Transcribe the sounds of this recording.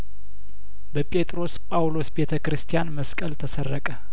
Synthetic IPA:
bəpʼe̞t̪ʼɾo̞spʼawlo̞sbe̞t̪ʰəkɨɾɨst̪ʰijanməskʼəlt̪ʰəsərːəkʼə

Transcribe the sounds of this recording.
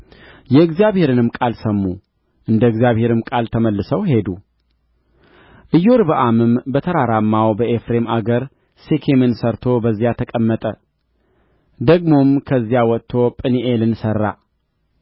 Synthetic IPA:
jɛɨɡzijaβhe̞ɾɨnɨmkʼalsəmːu | ʔɨnd̪əɨɡzijaβhe̞ɾɨmkʼalt̪ʰəməlːɨsəwhe̞d̪u | ʔɨjoɾbəʔamɨmbət̪ʰəɾaɾamːawbəʔefɾe̞maɡəɾ | sekʰemɨnsəɾt̪ʰo̞bəzːjat̪ʰəkʼəmːət̪ʼə | d̪əɡmo̞mkʰəzːijawɔt̪ʰːo̞pʼɨniʔelɨnsərːa̰

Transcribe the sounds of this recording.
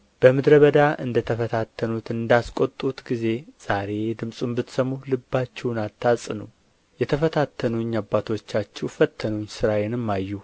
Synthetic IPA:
b̥əmɨd̪ɾəβəd̪aʔɨ̰nd̪ət̪ʰəfət̪ʰat̪ʰːənut̪ɨnd̪askʼot̪ʼːut̪ɡize̞z̥aɾe̞d̪ɨmsʼumbɨt̪səmːulɨbːat͡ʃːɛwnat̪ʰːasʼnəw | jɛt̪ʰəfət̪ʰat̪ʰːənuɲːabːat̪ʰo̞t͡ʃːat͡ʃːɛwfət̪ʰːənuɲːsɨɾajɛnɨmːajːu

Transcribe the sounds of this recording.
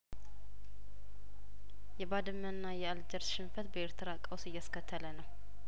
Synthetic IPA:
jɛbad̪ɨmːənːajɛald͡ʒəɾsʃɪnfət̪bəeɾt̪ʰɨɾakʼəwsɨjːaskət̪ʰːələnəw

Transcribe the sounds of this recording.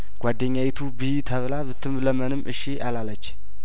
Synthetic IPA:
ɡ̥ʷad̪ːəɲːawit̪ʰubiht̪ʰəβlaβɨt̪ʰːɨmləmənɨmʔɨʃːiʔalalːət͡ʃː

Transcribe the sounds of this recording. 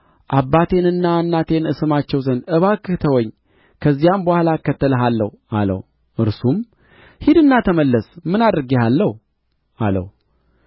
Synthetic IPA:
ʔabːat̪ʰe̞nɨnːanːat̪ʰe̞nɨsɨmat͡ʃːɛwzənɨβakːɨt̪ʰəwɔɲː | kʰəzːijambəhalakːət̪ːələɦalːəh | alə̰h | ʔɨɾsum | hid̪ɨnːat̪ʰəməlːəsmɨnad̪ɾɨɡehalːəh | alə̰h

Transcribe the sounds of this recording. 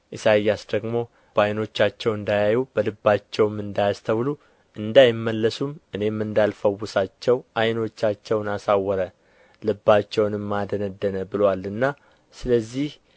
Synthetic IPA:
ʔɨsajːasd̪əɡmo̞ | bajno̞t͡ʃːat͡ʃːɛwɨnd̪ajajubəlɨbːat͡ʃːɛwmːɨnd̪ajast̪ʰəwlu | ʔɨnd̪ajɪmːəlːəsumʔɨne̞mːɨnd̪alfəwːʊsat͡ʃːɛwʔajno̞t͡ʃːat͡ʃːɛwnasawːəɾə | lɨbːat͡ʃːɛwnɨmːad̪ənəd̪ːənəbɨlwalɨnːa | sɨləzːih

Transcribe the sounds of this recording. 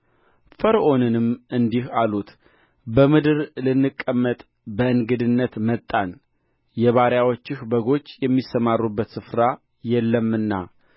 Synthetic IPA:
fəɾʔo̞nɨnɨmʔɨnd̪ihalut̪ | bəmɨd̪ɨɾlɨnːɨkʼːəmːət̪ʼ | bəɨŋɡɨd̪ɨnːət̪mət̪ʼːan | jɛβaɾjawot͡ʃːɪhbəɡo̞t͡ʃːjɛmːisəmarːubːət̪sɨfɾa | jɛlːəmɨnːa̰

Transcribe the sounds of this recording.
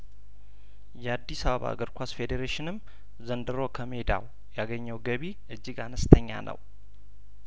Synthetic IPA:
jɛad̪ːisaβəβa̰ɡəɾkʷʰasfed̪eɾeʃɪnɨm | zənd̪ɨɾo̞kʰəme̞d̪a̰w | jaɡəɲːəwɡəβi | ɨd͡ʒːɪɡanəst̪ʰəɲːa̰nʔə̰w

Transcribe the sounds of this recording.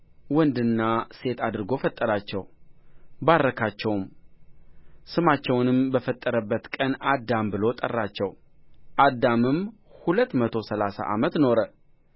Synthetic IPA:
wɔnd̪ɨnːase̞t̪ʰad̪ɨɾɨɡo̞fət̪ʼːəɾat͡ʃːɛw | baɾːəkʰat͡ʃːɛwm | sɨmat͡ʃːɛwnɨmbəfət̪ʼːəɾəbːət̪kʼənad̪ːambɨlo̞t̪ʼə̰rːat͡ʃːɛw | ʔad̪ːamɨmhulət̪ːmət̪ʰo̞səlasa̰ʔamət̪no̞ɾə

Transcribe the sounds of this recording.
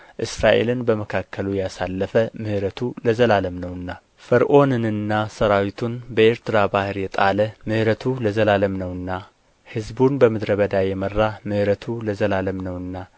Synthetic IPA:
ʔɨsɾaʔe̞̰lɨnbəməkʰakʰːəlujɛjasalːəfəmɨhɨɾət̪ʰuləzəlaləmnəwɨnːa | fəɾʔo̞nɨnɨnːasəɾawit̪ʰunbəeɾt̪ʰɨɾabahɨɾjɛt̪ʼaləmɨhɾət̪ʰuləzəlaləmnəwɨnːa | hɨzbunbəmɨd̪ɾəβəd̪ajɛmərːamɨhɾət̪ʰuləzəlaləmnəwɨnːa

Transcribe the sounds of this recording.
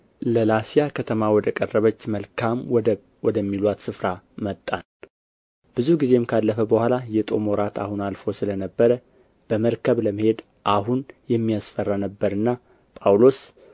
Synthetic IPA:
ləlasijakʰət̪ʰəmawɔd̪əkʼərːəβət͡ʃːməlkʰam | wɔd̪əmːilwat̪sɨfɾa | mət̪ʼːan | b̥ɨzuɡize̞mkʰalːəfəbəhʷalajɛt̪ʼo̞̰moɾat̪ʰa̰hunalfo̞sɨlənəbːəɾə | b̥əməɾkʰəβləməhe̞d̪ | ʔaɦunjɛmːijasfərːanəbːəɾɨnːa | pʼawlos

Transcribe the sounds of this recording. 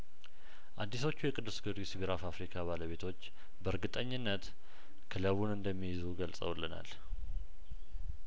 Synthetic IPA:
ʔad̪ːis̬o̞t͡ʃːujɛkʼɨd̪ːɨsɡɨd̪isiβiɾafafɾikʰaβaləβe̞t̪ʰo̞t͡ʃː | bəɾɡɨt̪ʼəɲːɪnːət̪ | kʰɨləβunɨnd̪əmːijizuɡəlsʼə̰wlːəna̰l

